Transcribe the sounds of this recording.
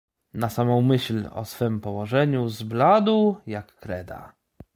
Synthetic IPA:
nasamɔ̃w̃mɘɕlɔ̰sfɘmpɔwɔʐɛɲuzblad̪uwjakːɾɛd̪a̰

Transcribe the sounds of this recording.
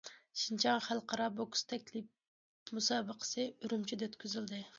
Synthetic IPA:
ʃint͡ʃʰɑŋχælˠqʰɑɾɑbokst̪ʰɛkʲlip̚ | musɑːbəqʰə̥sɨyɾymt͡ʃʰid̪ɛøt̪kʲʰyzyld̪ɪ

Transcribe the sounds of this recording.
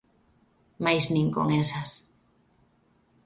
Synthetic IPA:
majznĩŋko̰ŋesas

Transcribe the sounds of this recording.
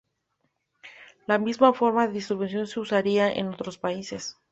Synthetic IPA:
lamizmafo̞ɾmaðe̞ðist̪ɾβens̬jo̞nse̞usaɾiaʔḛno̞t̪ɾo̞spaise̞s

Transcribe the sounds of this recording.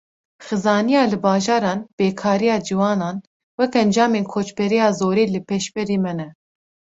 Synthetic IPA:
xɨzɑːnijɑːlɨbɑːʒɑːɾɑːnb̥eːkʰɑːɾijɑːd͡ʒiwɑːnɑːn | wɛkɛnd͡ʒɑːmeːnkʰoːt͡ʃbɛɾijɑːzoːɾeːlɨpʰeʃbɛɾiːmɛnɛ

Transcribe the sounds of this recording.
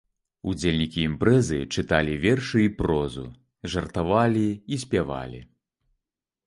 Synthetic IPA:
ud͡zʲelʲnʲikʲiːmpɾɛzɨt͡ʂɨt̪alʲivʲɛrʂɨipɾɔzṵ | ʐɐrt̪avalʲiːsʲpʲava̰lʲḭ

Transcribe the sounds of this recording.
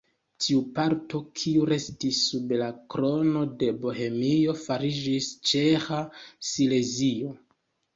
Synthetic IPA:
tʰiupaɾto̞kʰiuɾe̞stisːublakɾo̞no̞de̞bo̞ɦe̞mio̞faɾid͡ʒist͡ʃexasile̞zio̞

